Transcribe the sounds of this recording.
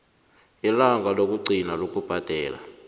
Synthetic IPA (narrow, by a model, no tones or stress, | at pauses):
jilaŋɡʱalok̬ʼuɡ͡ǀʱinalok̬ʼub̥ʱad̥ʱɛːla̰